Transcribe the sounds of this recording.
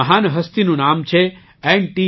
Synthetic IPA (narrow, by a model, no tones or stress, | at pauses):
əɦanɦəst̪inũnamt͡ʃʰe | ɛɳʈi